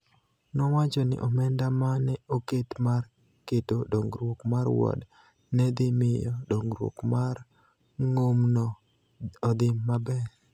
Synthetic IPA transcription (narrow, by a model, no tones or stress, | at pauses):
nɔwat͡ʃɔnɪ̰ʔɔmɛndamanɛoketmar | ketodoŋɡɾwokmaɾwɔ̰d | nɛd̪ɪmɪjɔdoŋɡɾwo̰kmaɾ | ŋomnɔ | ɔd̪ɪmːabɛ